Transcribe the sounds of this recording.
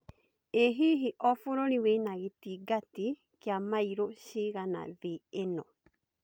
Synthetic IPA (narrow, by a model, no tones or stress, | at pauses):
eɦiɦiʔɔfuɾoniwenaɣetiɡati | kjamaiɾoʃiɣana̰ðeːnɔ